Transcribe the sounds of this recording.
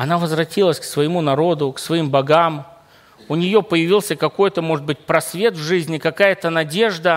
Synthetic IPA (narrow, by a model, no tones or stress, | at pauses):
ɐnavəzvɾɐtʲilˠəsʲksvəjɪmunɐɾo̞d̪ʊksvɐimbɐɡam | ʊnʲɪjo̞pəjɪvʲilˠsʲəkɐko̞jt̪əmo̞ʐɨt̪bɨt̚ʲpɾɐsvʲe̞t̪vʐɨzʲnʲɪkɐkajət̪ənɐdʲe̞ʐd̪ə